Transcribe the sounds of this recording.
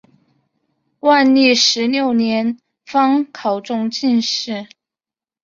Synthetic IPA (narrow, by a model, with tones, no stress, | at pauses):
wa˥˧nli˥˩ʂɻ̩˧˥ljo˥˩ʊnjɛ˧˥n | fɑ˥ŋkʰɑ˨˩ʊʈ͡ʂʊ˥˧ŋt͡ɕi˥˧nʂɻ̩˥˩